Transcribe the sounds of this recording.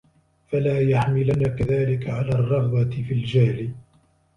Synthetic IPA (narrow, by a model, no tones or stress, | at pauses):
falaːjaħmɪlanaːkaðaːlɪkaʕalaːrˤːɑfðˤɑt̪ɪfild͡ʒaːlɪ